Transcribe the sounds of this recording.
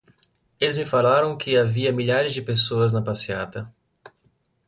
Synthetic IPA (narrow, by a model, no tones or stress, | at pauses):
elɪzmɪfalaɾɐ̃w̃kʰɪaviɐmiʎaɾɪzd͡ʒɪpesoɐznɐpasia̰t̪ɐ